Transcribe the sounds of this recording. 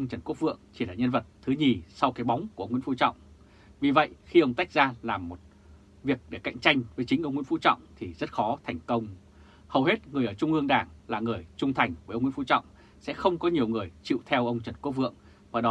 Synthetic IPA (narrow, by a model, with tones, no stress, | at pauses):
ʔʔə˧wŋ͡mt͡ɕə˨˩nku˦˥k̚vɨ̰˧˨əŋt͡ɕi˧˩laː˨˩ɲə˧nvə˨˩t̚t̪ʰːɨ˨˦ɲi˨˩sa˧wkaː˨˦jɓa˨˦wŋ͡mku˨˩ə˧wŋ͡mwḭ˧˥˦fu˧˥t͡ɕɔ̰˧˨wŋ͡m | vi˨˩və̰˧˨jxi˧ʔə˧wŋ͡mt̪a˦˥jk̚zaː˧laː˨˩mːo˨˩t̚ | vi˨˩ək̚ɗe˧˩ka̰˧˨jŋ̟t͡ɕa˧jŋ̟vəː˨˦jt͡ɕï̟˨˦ʔə˧wŋ͡mŋḭ˧˥˦fṵ˧˥t͡ɕɔ̰˧˨wŋ͡mt̪ʰi˨˩zə˦˥t̚xɔ˨˦t̪ʰa˨˩jŋ̟kə˧wŋ͡m | hə˨˩whe˦˥t̚ŋɨ˨˩əjʔəː˧˩t͡ɕʊ˧ŋ͡mʔɨ˧əŋɗaː˨˩ŋlaː˨˩ŋɨ˨˩əjt͡ɕʊ˧ŋ͡mt̪ʰa˨˩jŋ̟və˨˦jʔə˧ŋ͡mw̰ḭ˧˥˦fṵ˧˥t͡ɕɔ̰˧˨wŋ͡m | sɛ̰˧˥xə˧wŋ͡mkɔ˨˦ɲi˨˩əwŋɨ˨˩əjt͡ɕḭ˧˨wt̪ʰɛ˧wʔə˧wŋ͡mt͡ɕə˨˩nku˦˥p̚vɨ̰˧˨əŋ | vaː˨˩ɗɔ˨˦